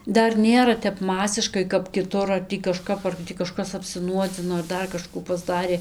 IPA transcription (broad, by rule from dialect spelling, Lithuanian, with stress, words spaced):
ˈdɐr ˈnʲeːrɐ ˈtʲɛp ˈmɑːsʲɪʃkɐɪ kɐp kʲɪˈtʊr ɐr ˈtʲiː kɐˈʃkɐp ɐr ˈtʲiː kɐˈʃkɐs ɐpʲsʲɪˈnuɔd͡zʲɪnoː ɐr ˈdɐr kɐˈʃkuː pɐzˈdɑːrʲeː